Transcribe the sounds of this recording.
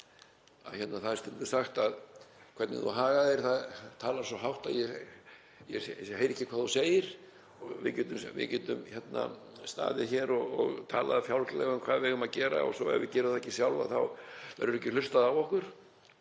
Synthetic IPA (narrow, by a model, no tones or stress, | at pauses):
a̰çɛt̪naθaðst̪ɛnt̪ʏ̥saxt̪aðkʰvɛt̪nɪ̰ðṵɦaːɣaðɛɾ̥θaðt̪ʰaːlaɾ̥sɔɦawht̪aðjɛ | jɛɦejɾɛhcːɪkʰvaːðuseːjɪɾ̥ | ɔvɪ̰cɛːt̪ʏmvɪ̰cɛt̪ʏmçɛt̪na̰st̪a̰ːðɪçɛːɾɔɣɔɣt̪ʰaːla̰ðafjawlklɛ̰ɣʏmkʰv̥aːðvɪɣʏmaðcɛːɾa̰ɔ̰sɔɛ̰ɾvɪ̰cɛːɾʏθaɛcːɪsjawlva̰θawvɛ̰ɾðʏɾɛcɪlʏrst̪aðawɔhkʏɾ̥